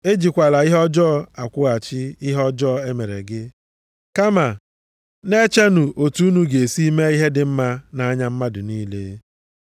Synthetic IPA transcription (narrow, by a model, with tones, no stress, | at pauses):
e˦d͡ʒi˨kʷa˨la˨i˦ɦɔ˦d͡ʒɔ˦˨a˨kʷʊ˦a˨t͡ʃɪ˦i˦ɦɔ˦d͡ʒɔ˦˨e˦me˨ɾḛ˨ɡɪ˦ | ka˦ma˨ | ne˦t͡ʃe˦nu˨ʔo˨tu˦u˦nu˦ɡe˨si˦me˦i˦ɦe˦dɪ˨m̩˦ma˦na˨a˦ɲa˦m̩˦ma˦dʊ˨ni˦lḛ˦